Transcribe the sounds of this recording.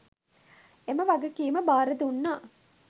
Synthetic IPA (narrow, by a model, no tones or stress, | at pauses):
eməʋaɡəkiːməbaːɾəd̪unːaː